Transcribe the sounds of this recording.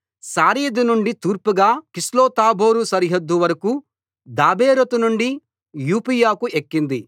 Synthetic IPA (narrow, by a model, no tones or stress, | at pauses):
saːɾiːd̪inuɳɖit̪uːɾpuɡaːkisloːt̪aːbo̞ːɾusɐɾiɦɐd̪ːuʋɐɾɐku | d̪aːbeːɾot̪unuɳɖi | juːpijaːkuʔekːind̪i